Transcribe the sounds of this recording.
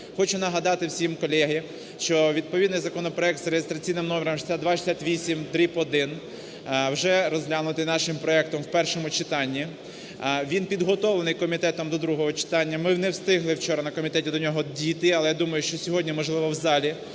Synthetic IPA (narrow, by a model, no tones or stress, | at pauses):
xɔt͡ʃʊnɐɦɐd̪ɑt̪ɪwsʲimkɔlʲɛɦi | ʃt͡ʃɔʋʲid̪̚pɔʋʲid̪nɪjzɐkɔnɔpɾɔɛk̚t̪zɾejest̪ɾɐt͡sʲijnɪmnɔmʲɪɾɐmʃsʲad̪ʋɑʃisʲat̪ʋʲisʲimt̪ɾʲipɔd̪ɪn | wʒɛɾɔzʲlʲanʊt̪ɪjnɑʃɪmpɾɔɛk̚t̪ɔmwpɛrʃɔmʊt͡ʃɪt̪ɑnʲːi | ʋʲinpʲid̪ɦɔt̪ɔʋlˠenɪjkɔmʲit̪ɛt̪ɔmd̪ɔd̪ɾuɦɔɦɔt͡ʃɪ̥t̪ɑnʲːɐmɪnɛwst̪ɪɦlˠɪwt͡ʃɔɾɐnɐkɔmʲit̪ɛtʲid̪ɔnʲɔɦɔdʲit̪ɪɐlˠɛjad̪umɐjʊʃt͡ʃɔsʲɔɦɔdʲnʲimɔʒlˠɪʋɔwzɑlʲi